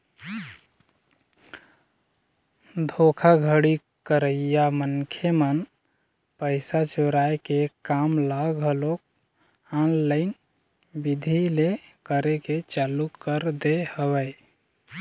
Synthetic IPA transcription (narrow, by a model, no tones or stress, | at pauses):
d̪ʱokʰaɡʱəɽi | kəɾəijamənkʰemən | pəɪsat͡ʃoɾajkekamlaɡʱəlok | anlaɪn | bid̪ʱilekəɾeket͡ʃalukːəɾd̪ehəwəj